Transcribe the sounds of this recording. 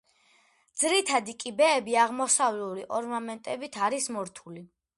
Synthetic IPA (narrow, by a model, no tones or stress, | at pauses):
d̪zɾit̪ʰad̪ikʼibɛːbiaʁmɔsavluliʔɔɾnamɛnt̪ʼɛbit̪ʰaɾismɔɾt̪ʰuli